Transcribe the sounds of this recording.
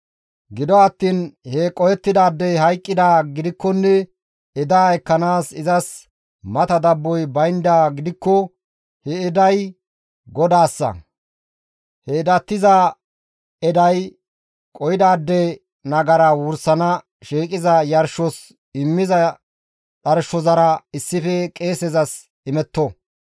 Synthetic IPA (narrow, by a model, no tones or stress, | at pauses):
ɡɪd̪ɔɐt̪ːiːnhɛkʼɔjɛt̪ːɪd̪aːd̪ːɛɦɐjkʼːɪd̪aːɡɪd̪ɪkːɔnːɛ | ɪd̪aːɛkːɐnaːsɪzɐs | mɐt̪ɐd̪ɐbːɔjbɐjnd̪aːɡɪd̪ɪkːɔ | hɛːd̪ɐj | ɡɔd̪aːsːɐ̰ | hɛd̪ɐt̪ːɪza | ɛd̪ɐj | kʼɔjɪd̪aːd̪ːɛ | nɐɡɐɾawʊɾsɐnɐ | ʃiːkʼɪzɐjɐɾʃɔs | ɪmːɪzɐ | ᶑɐɾʃɔzɐɾɐɪsːɪfɛkʼe̞ːsɛzɐs | ɪmɛt̪ːɔ